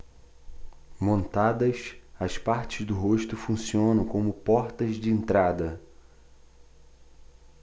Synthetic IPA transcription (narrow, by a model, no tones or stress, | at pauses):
mõnt̪ad̪ɐsɐspaɾt͡ʃɪzd̪ʊɦoʃt̪ʊfũsiõnɐ̃w̃kõmʊpɔɾt̪ɐzd͡ʒɪẽnt̪ɾad̪ɐ